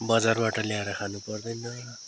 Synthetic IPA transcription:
bʌd͡zarbaʈʌljaeɾʌkʰanupʌrd̪ʌjnʌ

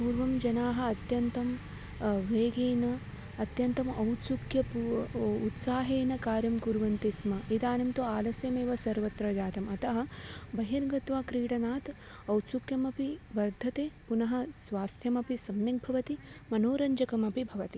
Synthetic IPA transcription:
puːɾʋɐmd͡ʒɐnaːɦɐ̆ɐt̪jɐnt̪ɐm | ʋeːɡeːnɐː | t̪jɐnt̪ɐmɐwt̪sukjɐpuut̪saːɦeːnɐkaːɾjɐmkuɾʋɐnt̪esmɐit̪aːnɐmt̪uaːlɐsjɐmeːʋɐsɐɾʋɐt̪ɾɐd͡ʒaːt̪ɐmɐt̪ɐɦɐbɐɦiɾɡɐt̪ʋaːkɾiːɽɐnaːt̪ | ɐwt̪sukjɐmɐpiʋɐɾd̪ʱɐt̪eːpunɐɦɐ̆sʋaːst̪ʰjɐmɐpisɐmjɐk̚bʱɐʋɐt̪imɐnoːɾɐɲd͡ʒɐkɐmɐpibʱɐʋɐt̪i

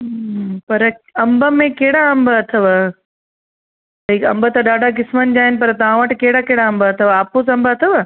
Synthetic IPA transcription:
pɐɾɐ̃mbəmẽkɐɦɪɽaɐ̃mbəɐt̪ʰəʋə | t̪ɐikɐ̃mbət̪ɐɗaːɖʱak̬ɪsmənɪ̆d͡ʑaːɦɪnɪ̆pɐɾt̪ɐʋ̤ãʋɐʈɪ̆kɐɦɪɽakɐɦɪɽaɐ̃mbəɐt̪ʰəʋaːposɐ̃mbəɐt̪ʰəʋə

